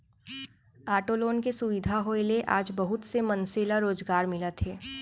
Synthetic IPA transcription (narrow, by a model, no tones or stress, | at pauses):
aːʈoːloːnkesʊʋɪd̪ʱaɦoeleʔa̰ːd͡ʒbɐɦʊt̪semɐnseːlaɾoːzɡaːɾmɪlət̪ɦɛː